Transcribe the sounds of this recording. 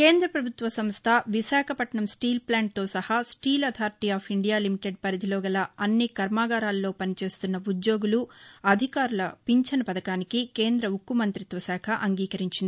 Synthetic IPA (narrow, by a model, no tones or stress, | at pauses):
ke̞ːnd̪ɾɐpɾɐbʱut̪ʋɐsɐmst̪ʰɐʋisaːkʰɐpɐʈɳɐmsʈiːlplaːɳʈ̚t̪o̞ːsɐhɐsʈiːlɐd̪ʱaːɾʈ̪iaːpʰiɳɖijaːlimiʈeɖ̚pɐɾid̪ʱiloːɡɐlɐɐnːikɐɾmaːɡaːɾaːlːo̞ːpɐnit͡ʃe̞ːst̪unːɐud̪jo̞ːɡuluɐd̪ʱikaːɾulɐpiɲt͡ʃɐnɐpɐd̪ɐkaːnikike̞ːnd̪ɾɐukːumɐnt̪ɾit̪ʋɐsaːkʰɐʔɐŋɡiːkɐɾiɲt͡ʃind̪i